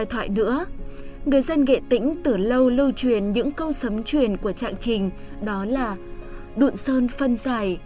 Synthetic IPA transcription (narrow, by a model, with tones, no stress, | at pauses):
jt̪ʰwa̰ː˧˨jnɨ̰˧˥ə | ŋɨ˨˩əjzə˧nɣḛ˧˨t̪ï˧˥ŋ̟t̪ɨ˧˩lə˧wlɨ˧wt͡ɕwi˧˨˩ənɲɨ̰˧˥ŋkə˧wsə˨˦mt͡ɕwi˧˩ənku˧˩ət͡ɕa̰ː˧˨ŋt͡ɕï˨˧˩ŋ̟ | ɗɔ˨˦laː˨˩ | ɗṵ˧˨nsəː˧nfə˧nzaː˨˩j